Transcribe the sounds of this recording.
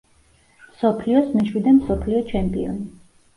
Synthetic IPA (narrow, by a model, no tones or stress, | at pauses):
msɔpʰliɔsmɛʃwid̪amsɔpʰliɔt͡ʃʰɛmpʼiɔ̰ni